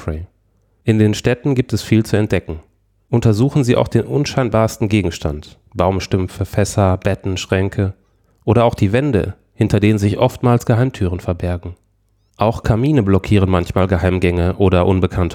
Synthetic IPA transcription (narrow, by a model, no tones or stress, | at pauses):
ɛ | ʔɪndeːnʃtɛtn̩ɡiːp̚tɛsfiːlt͡suɛnt̚d̥ɛkŋ̩ | ʔʊntɐzuːxn̩ziːʔa̰ʊxd̥eːnʔʊnʃaɪnbaːɐstn̩ɡeːɡŋ̩ʃta̰nt | b̥aʊmʃtʏmfəfɛsɐb̥ɛtn̩ʃʁ̥ɛŋkʰə | ʔoːɾɐaʊxd̥iːvɛndə̰ | hɪntʰɐdeːnənzɪçʔɔftmaːlsɡ̥əɦaɪmtʰyːʁ̞ənfɛɐbɛɐɡŋ̩ | ʔaʊxkʰamiːnəblɔkʰiːʁ̞ənmançmaːlɡəɦaɪmɡɛŋəʔoːɾɐʔʊnbəkʰantʰə